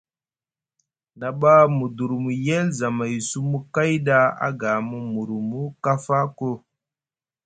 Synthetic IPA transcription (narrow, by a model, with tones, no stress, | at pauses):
na˨ɓa˦mu˨du˨ɾmu˨je˦lza˨ma˨jsu˦mu˦ka˦jɗa˦a̰˦ɡa˨mu˨mu˨ɾu˨mu˦ka˦fa˦ko˦